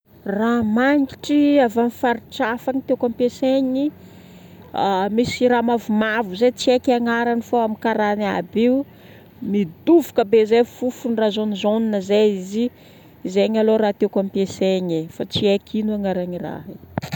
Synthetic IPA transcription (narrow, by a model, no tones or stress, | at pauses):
ramaŋɡiʈ͡ʂiavamifaɾiʈ͡ʂafaŋit̪ewkampeseɲi | amisiɾamavumavuzet͡siekʲaŋaɾanifoamikaɾana̰beu | mid̪uvukəbezefufunirazonizonunəzeiziː | zeɲaloɾat̪ekampeseɲefat͡siekʰinuaŋaɾaɲira̰ɦe